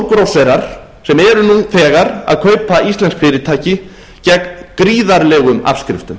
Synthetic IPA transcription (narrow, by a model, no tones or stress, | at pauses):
kɾowsɛɾaɾ̥ | sɛmɛɾʏnuθɛːɣaɾa̰ðkʰœːɥpaʔist̪lɛnskfɪːɾɪt̪ʰaːjcɪ | cɛkkɾiːðaɾlɛɣʏma̰fskɾɪ̰ft̪ʏm